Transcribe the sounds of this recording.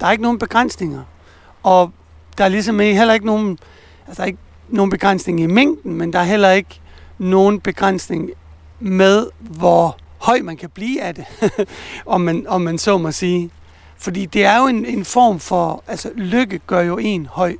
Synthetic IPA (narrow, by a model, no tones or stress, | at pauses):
d̥ɑ̈æɐeɡəno̝ːn̩b̥e̝ɡ̥ʁan̰sne̝ŋɐ | ɒ̽ | d̥ɑ̈æɐlisɒmɦel̰ɐe̝ɡ̥əno̝ːn̩ | æsə̥d̥ɑ̈e̝ɡ̥ | no̝ːn̩b̥eɡ̥ʁan̰sne̝ŋɐime̝ŋ̰d̥n̩mend̥ɑ̈æɐɦel̰ɐe̝ɡ̥no̝ːn̩b̥e̝ɡ̥ʁan̰sne̝ŋ | með̞ˠʋɒ | hɒ̽ɪ̰mænkʰæb̥liːæd̥e̝ | ɒ̽mænɒ̽mːænsɒmæsiː | fɒ̽d̥ḭːd̥e̝æɐjo̝e̝nenfɒ̰ːmfɒ̽ælsəløɡ̥əɡ̥ɶɐjo̝e̝̰ːnhɒ̽ɪ̰